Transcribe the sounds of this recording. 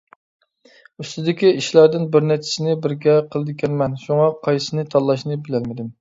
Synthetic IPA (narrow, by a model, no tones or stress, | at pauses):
øst̪ɪd̪ɪkʲiiʃlˠɑɾd̪ɪnbɪɾnɛt͡ʃ̪ʰɪ̥sɪnɪbɪɾɡʲɛqʰəlˠɨd̪ɪkʲʰɛnmɛnʃuŋɑqʰɑjsɨnɨt̪ʰɑlˠːɑʃnɨbɪlɛlmɪd̪ɪm